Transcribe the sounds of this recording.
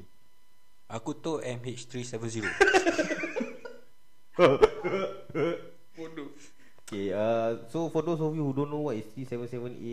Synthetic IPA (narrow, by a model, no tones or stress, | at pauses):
akut̪oʔɛ̃met͡ʃt̪ɾisɛvə̃nziɾo | fodo | okeasofɔdosovihudõnõwɔtist̪ɹisɛvə̃nsɛvə̃nḛ